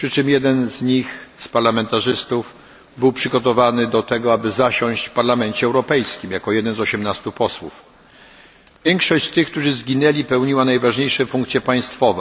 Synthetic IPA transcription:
pʂɘt͡ʂɘmjɛd̪ɛnzɲixspaɾlamɛnt̪aʐɘst̪uv | bɘwpʂɘɡɔt̪ɔvanɘd̪ɔt̪ɛɡɔabɘzaɕɔ̃w̃ɕt͡ɕfpaɾlamɛnt͡ɕɛɛwɾɔpɛjskʲimjakɔjɛd̪ɛnzɔɕɛmnast̪upɔswṵf | vʲjɛŋkʂɔɕt͡ɕst̪ɘxk̚t̪uʐɘzɡʲinɛlʲipɛwɲiwanajvaʐɲejʂɛfuŋkt̪sʲjɛpaj̃st̪fɔvɛ

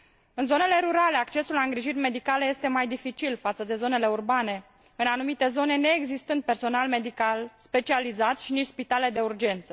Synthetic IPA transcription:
ɨnzo̞ne̞le̞ɾuɾale̞akt͡ʃe̞sulaɨŋɡɾiʒirʲme̞d̪ikale̞je̞st̪e̞majd̪ifit͡ʃilfat̪səd̪e̞zo̞ne̞le̞urbane̞ | ɨnanumit̪e̞zo̞ne̞ne̞ːɡzist̪ɨnd̪̚pe̞rso̞nalme̞d̪ikalspe̞t͡ʃializat̪ʃinit͡ʃʲspit̪ale̞d̪e̞urd͡ʒe̞nt̪sə

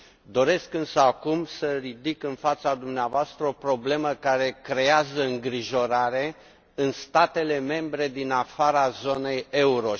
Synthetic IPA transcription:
d̪o̞ɾe̞skɨnsəakumsəɾid̪ikɨnfat̪sad̪umneavoast̪ɾəo̞pɾo̞ble̞məkaɾe̞kɾe̞azəɨŋɡɾiʒo̞ɾaɾe̞ | ɨnst̪at̪e̞le̞me̞mbɾe̞d̪inafaɾazo̞ne̞jeuɾo̞

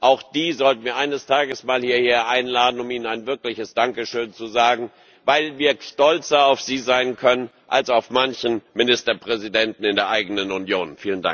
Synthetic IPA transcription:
ʔaʊxd̥iːzɔltn̩viːɐʔaɪnəstʰaːɡəsmaːlhiːɐheːɐʔaɪnlaːdn̩ʊmiːnənaɪnvɪɐklɪçəsd̥aŋkəʃøːnt͡suzaːɡŋ̩ | vaɪlviːɐʃtɔlt͡sɐaʊfz̥iːzaɪnkʰœnən | ʔalsaʊfmançn̩mɪnɪstɐpʁ̥ɛzidɛntn̩ɪndeːɐʔaɪɡənənunjoːnfiːlənda̰ŋk

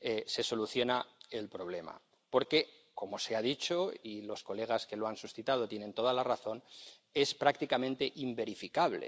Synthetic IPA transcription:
ese̞so̞luθjo̞nae̞lpɾo̞β̞le̞ma̰ | po̞ɾke̞ | ko̞mo̞se̞aðit͡ʃo̞ilo̞sko̞le̞ɣ̞aske̞loansusθit̪að̞o̞t̪je̞ne̞nt̪o̞ðalaraθo̞n | e̞spɾakt̪ikamẽ̞nt̪e̞ʔimbe̞ɾifikaβlḛ

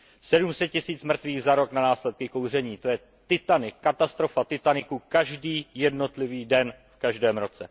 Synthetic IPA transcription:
sɛdumsɛt̪̚cɪsiːt͡smr̩t̪viːɣzaɾo̞knanaːslɛt̪̚kɪko̞wr̝ɛɲiːt̪o̞jɛ | t̪ɪt̪anɪkːat̪ast̪ɾo̞fat̪ɪt̪anɪkukaʒdiːjɛdno̞t̪lɪviːdɛnfkaʒdɛːmɾo̞t͡sɛ

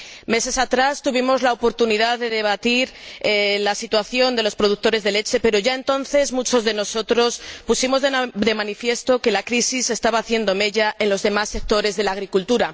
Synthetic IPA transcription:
me̞se̞sat̪ɾast̪uβ̞imo̞zlaopo̞ɾt̪uniðaðe̞ðe̞β̞at̪iɾelasit̪waθjo̞nd̪e̞lo̞spɾo̞ð̞uk̚t̪o̞ɾe̞zðe̞le̞t͡ʃe̞pe̞ɾo̞ʝae̞nt̪o̞nθe̞zmut͡ʃo̞zðe̞no̞so̞t̪ɾo̞spusimo̞zðd̪e̞mãnifje̞st̪o̞ke̞lakɾisisːe̞st̪aβaːθje̞nd̪o̞me̞ʝaʔe̞nlo̞zðe̞masːe̞k̚t̪o̞ɾe̞zðe̞laːɣɾikult̪uɾa

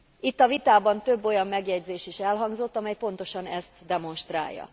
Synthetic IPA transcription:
it̪ːɒvit̪aːbɒnt̪øbːo̞jɒmːɛɡjɛɟzeːʃiʃɛlɦɒŋɡzo̞t̪ːɒmɛjpo̞n̪t̪o̞ʃɒnɛst̪d̪ɛmo̞nʃt̪ra̰ːjːɒ̰

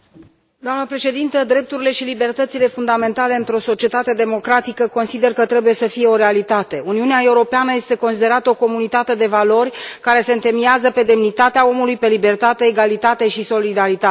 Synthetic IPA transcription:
d̪oamnəpɾe̞ʃe̞d̪int̪əd̪ɾe̞p̚t̪uɾile̞ʃilibert̪ət̪sile̞fund̪ame̞nt̪ale̞ɨnt̪ɾo̞so̞t͡ʃie̞t̪at̪e̞d̪e̞mo̞kɾat̪ikəko̞nsid̪e̞rkət̪ɾe̞buje̞səfije̞o̞ɾe̞alit̪at̪e̞uniuneae̞uɾo̞peanəje̞st̪e̞ko̞nsid̪e̞ɾat̪əoko̞munit̪at̪e̞d̪e̞valo̞rʲkaɾe̞se̞ɨnt̪e̞miazəpe̞d̪e̞mnit̪at̪eao̞mulujpe̞libe̞rt̪at̪eːɡalit̪at̪e̞ʃiso̞lid̪aɾit̪a

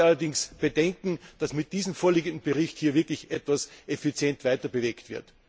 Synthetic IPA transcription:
alɐdɪŋsb̥ədɛŋkŋ̩d̥asmɪt̚d̥iːzəmfoːɐliːɡəndn̩b̥əʁɪçthiːɐvɪɐklɪçʔɛtv̥asʔefit͡sjɛntv̥aɪtɐbəveːktv̥ɪɐt

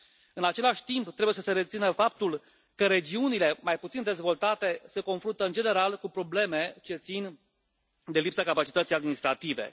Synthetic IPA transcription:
ɨnat͡ʃe̞laʃʲt̪impt̪ɾebujesəse̞ɾe̞t̪sinəfap̚t̪ul | kəɾe̞d͡ʒiunile̞majput̪sind̪e̞zvo̞lt̪at̪e̞se̞ko̞nfɾunt̪əɨnd͡ʒe̞ne̞ɾalkupɾo̞ble̞me̞t͡ʃe̞t̪sin | d̪e̞lipsakapat͡ʃi̥t̪ət̪sijad̪minist̪ɾat̪ive̞̰

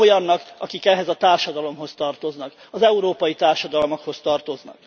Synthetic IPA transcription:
ojɒnːɒkɒkikɛɦɛzɒt̪aːrʃɒd̪ɒlo̞mɦo̞st̪ɒrt̪o̞znɒk | ɒzɛuɾoːpɒjit̪aːrʃɒd̪ɒlmɒkho̞st̪ɒrt̪o̞znɒ̰k

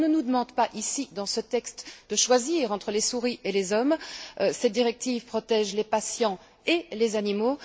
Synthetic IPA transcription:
nənud̪əmɑ̃d̪paʔisid̪ɑ̃sət̪ɛkst̪d̪əʃwaziːʁɑ̃t̪χəlesuʁiʔelezɔmsɛd̪iʁɛk̚t̪ivpχɔt̪ɛʒlepasjɑ̃ | elezanimo

